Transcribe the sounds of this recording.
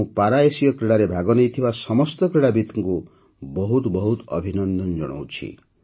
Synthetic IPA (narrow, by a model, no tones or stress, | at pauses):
ũpaɾaesijɔkɾiɽaɾebʱaɡɔnejt̪ʰibasɔmɔst̪ɔkɾiɽabit̪ɔŋku | bɔɦut̪bɔɦut̪ɔ̰bʱinɔnd̪ɔnd͡ʒɔ̰ɽ̃ɔ̰wt͡ʃʰḭ